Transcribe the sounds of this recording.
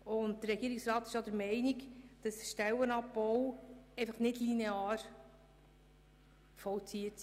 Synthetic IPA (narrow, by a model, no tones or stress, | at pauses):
ʊnt̚dəɾːɛɡ̥iːɾɪksɾɑːt̪ɪ̥ʃjɔd̪əɾmɛɪnikd̥ɑsʃtɛwənɑpːɔwɛɪfəχnɪdlineɑːɾ | fɔwt͡siətsi